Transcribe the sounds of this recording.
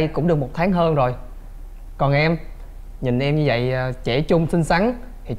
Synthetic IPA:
jkʊ̰˧˥ŋ͡mɗɨ˨˩ək̚mo˨˩t̚t̪ʰaː˨˦ŋɦəː˧nzo˨˩j | kɔ˨˩nʔɛ˧m | ɲï˨˩ŋ̟ʔɛ˧mɲɨ˧və̰˧˨jːt͡ɕe˧˩t͡ɕʊ˧ŋ͡msï˧ŋ̟sa˨˦ŋ | t̪ʰi˨˩

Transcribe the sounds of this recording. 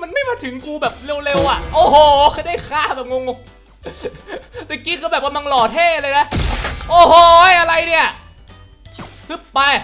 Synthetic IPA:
ma˧nma˥˩jmaː˧˥t̪ʰɯ˩˦ŋkuː˧bɛː˨˩p̚le˧˨wle˧wʔa˨˩ʔʔoː˧˩ɦoː˧˩xa˥˩jda˥˩jkʰaː˧˥˩bɛː˨˩p̚ŋo˧ŋo˧ŋ | t̪ɛ˨˩kiː˦˥kʰɯː˧bɛː˨˩p̚ka˧mla˧ŋlɔː˨˩t̪ʰeː˥˩˧lɤː˧jna˦˥ʔoː˨˧˩hoː˧˥˩ʔa˧ɾa˧jni˥˩ɐ˧˥˩ | kʰɯ˦˥˩p̚pa˧j

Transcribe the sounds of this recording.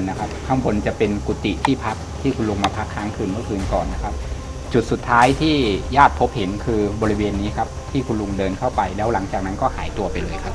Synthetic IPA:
nːa˦˥kʰa˦˥p̚kʰa˥˩mbo˧nt͡ɕa˨˩pe˧nku˨˩t̪ḭ˨˩t̪ʰiː˥˩pʰa˦˥k̚t̪ʰiː˥˩kʰu˧nlu˧ŋmaː˧pʰa˦˥kʰːaː˦˥ŋkʰɯː˧nmɯ˥˩kʰɯː˧nkɔː˨˩nːa˦˥kʰa˦˥p̚ | t͡ɕu˨˩t̪̚su˨˩t̪ʰːaː˦˥jt̪ʰiː˥˩jaː˥˩t̪̚pʰo˦˥p̚he˩˦nkʰɯː˧bɔː˧ɾi˦˥weː˧nːiː˦˥kʰa˦˥p̚t̪ʰiː˥˩kʰu˧nlu˧ŋdɤː˧nkʰa˥˩wpa˧jlɛː˦˥wla˩˦ŋt͡ɕaː˨˩k̚na˦˥nkɔː˥˩haː˩˦jt̪u˧ɐpa˧jlɤː˧jkʰa˦˥p̚

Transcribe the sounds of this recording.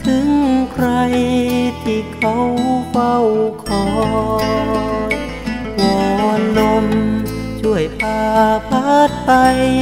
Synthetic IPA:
t̪ʰɯ˧˦˥ŋkʰɾa˧jt̪ʰiː˧˩kʰa˧˥wkʰa˧˩wkʰɔː˨˩˦ | wɔː˨˩lo˧m | t͡ɕʰu˧˩əjpaː˧pʰa˦˥˩t̪̚pa˧j

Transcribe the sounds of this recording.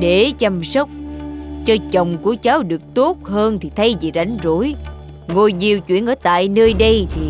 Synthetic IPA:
ɗe˧˩t͡ɕa˧msə˦˥wk͡p̚t͡ɕɔ˧t͡ɕə˨˩wŋ͡mku˧˩ət͡ɕaː˨˦wɗɨ˨˩ək̚t̪o˦˥t̚həː˧nt̪ʰi˨˩t̪ʰə˨˦jzi˨˩za˨˩˦jŋ̟zu˧˥˦j | ŋo˧˩jzi˧˩wt͡ɕwḭ˧˨ənʔəː˧˩t̪a̰ː˧˨jnəː˧jɗə˧jt̪ʰi˨˩

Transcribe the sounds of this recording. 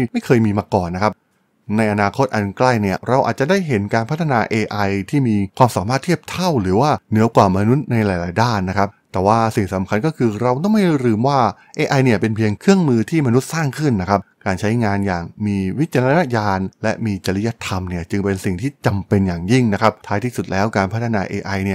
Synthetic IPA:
ma˥˩jkʰɤː˧jmiː˧maː˧kɔː˨˩nːa˦˥kʰa˦˥p̚ | na˧jʔa˧naː˧kʰo˦˥t̪̚ʔa˧nkla˥˩jni˥˩ɐɾa˧wʔa̰ː˨˩t̪̚t͡ɕa˨˩daː˥˩jɦe˩˦nkaː˧npʰa˦˥t̪ʰːa˧naː˧ʔeː˧ʔa˧jt̪ʰiː˥˩miː˧kʰwaː˧msaː˨˩˦maː˥˩t̪ʰːi˥˩əp̚t̪ʰa˥˩wɾɯː˩˦waː˥˩nɯ˩˦ɐkwaː˨˩ma˧nu˦˥t̪̚na˧jlaː˩˦jlaː˩˦jdaː˥˩nːa˦˥kʰa˦˥p̚t̪ɛː˨˩waː˥˩si˨˩ŋsa˩˦mkʰa˧nkɔː˥˩kʰɯː˧ɾa˧wt̪ɔ˥˩ŋma˥˩jɾɯː˧mwaː˥˩ | ʔeː˧ʔa˧jni˥˩ɐpe˧npʰi˧əŋkʰɯ˥˩əŋmɯː˧t̪ʰiː˥˩ma˧nu˦˥t̪̚saː˥˩ŋkʰɯ˥˩nːa˦˥kʰa˦˥p̚kaː˧nt͡ɕʰa˦˥jŋaː˧njaː˨˩ŋmiː˧wi˦˥t̪̚t͡ɕa˧la˧na˦˥jaː˧nlɛ˦˥ʔmiː˧t͡ɕa˧li˦˥ja˦˥t̪ʰa˧mni˥˩ɐt͡ɕɯ˧ŋpe˧nsi˨˩ŋt̪ʰiː˥˩t͡ɕa˧mpe˧njaː˨˩ŋji˥˩ŋna˦˥kʰa˦˥p̚t̪ʰaː˦˥jt̪ʰiː˥˩su˨˩t̪̚lɛː˦˥wkaː˧npʰt̪ʰːa˧naː˧ʔeː˧ʔa˧jni˥˩ɐ

